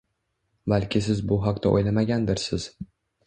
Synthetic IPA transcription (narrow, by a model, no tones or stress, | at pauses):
balkʲɪsɪzbʊɦaqt̪ʰaʔo̰jlamaɡʲand̪ɪɾsɪz